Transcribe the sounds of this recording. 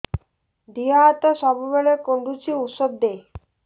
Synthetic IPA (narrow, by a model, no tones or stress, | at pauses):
d̪iaːt̪oʃɔbubelekoɳɖut͡ɕʰiut̪ʃod̪ːe